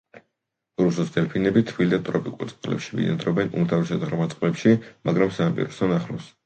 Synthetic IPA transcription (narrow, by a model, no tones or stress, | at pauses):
ɾususd̪ɛlpʰinɛbit̪ʰvild̪at̪ʼɾɔpʼikʼuɾt̪sʼqʼlɛ̰pʃivḭna̰d̪ɾɔbɛnṵmt̪ʰavisad̪ʁɾmat̪sʼqʼlɛpʃimʔaɡɾamsaampʼḭɾɔsɔnaχlɔs